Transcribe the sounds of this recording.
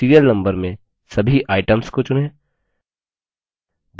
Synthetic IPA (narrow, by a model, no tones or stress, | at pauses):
iːɾijəɾnɐ̃mbəɾmẽ | sɐbʱiʔaːɪʈə̃mskot͡ʃʊnɦɛː | d̪